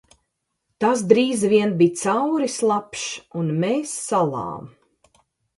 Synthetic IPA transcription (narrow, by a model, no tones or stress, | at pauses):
t̪as̬d̪ɾiːzvʲiɛnbit̪sawɾislˠapʃunmeːsːalˠɑ̰ːm